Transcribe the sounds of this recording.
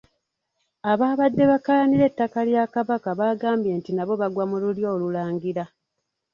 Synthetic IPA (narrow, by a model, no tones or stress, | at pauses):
aβaːβadːe̞βakalaniɾe̞tːakaljakaβakaβaːɡaːmbje̞ːntinaβo̞βaɡwamululjo̞ːlulaːŋɡiɾa